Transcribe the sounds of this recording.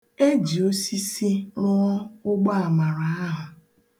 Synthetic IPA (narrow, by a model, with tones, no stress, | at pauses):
e˦d͡ʒi˨o˦si˦si˦nʊ˦ɔ˦ʊ˦ɡ͡ba˦a˨ma˨ɾa˨a˦ɦʊ˨